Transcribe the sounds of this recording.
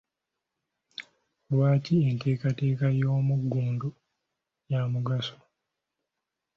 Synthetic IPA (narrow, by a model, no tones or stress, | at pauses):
lwaːciente̞ːkate̞ːkajo̞ːmuɡːuːndu | jamuɡaso̥